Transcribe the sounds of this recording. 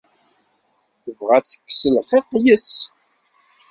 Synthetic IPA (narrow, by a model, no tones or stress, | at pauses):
ðəvʁæt͡sːə̥kːsəlfiqːjəs